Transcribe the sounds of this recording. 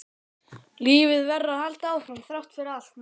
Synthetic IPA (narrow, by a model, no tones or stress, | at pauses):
liːvɪðvɛrːaðhalt̪aːwfɾamθɾawht̪fɪɾɪal̥t̪n